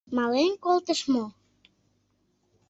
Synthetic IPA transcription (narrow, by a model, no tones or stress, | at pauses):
mɑlenkolt̪əʃmo